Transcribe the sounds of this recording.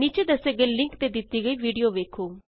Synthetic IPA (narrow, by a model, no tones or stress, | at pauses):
niːt͡ʃeːd̪əseːɡəilɪ̃ŋkt̪eːd̪ɪt̪iːɡəiːʋiːɖijoːʋeːkʰoː